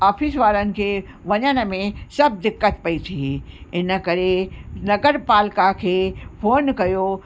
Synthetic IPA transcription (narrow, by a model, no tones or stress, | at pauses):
aːfɪsʋaːɾənɪ̆kʰe | ʋɐɲənə̆mẽsɐb̚d̪ɪkːət̪pɐit̪ʰiɪnə̆kɐɾenɐɡəɾpaːlkakʰeːpʰoːnkɐjo